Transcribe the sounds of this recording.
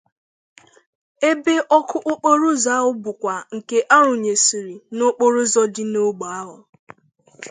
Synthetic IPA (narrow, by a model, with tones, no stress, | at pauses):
e˦be˦ʔɔ˦kʰʊ˦ʔʊ˦k͡po˦ɾʊ˦za˦ɦʊ˦bʊ˨kʷa˨ŋ̩˨ke˦ʔa˦ɾʊ˨ɲe˨si˨ɾi˨nʊ˦k͡po˦ɾʊ˦zɔ˦dɪ˦no˦ɡ͡ba˨a˦ɦʊ˨